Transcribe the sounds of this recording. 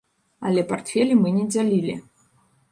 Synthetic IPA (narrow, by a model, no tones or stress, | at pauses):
ɐlʲɛpart̪fʲɛlʲimɨnʲɛd͡zʲalʲilʲḭ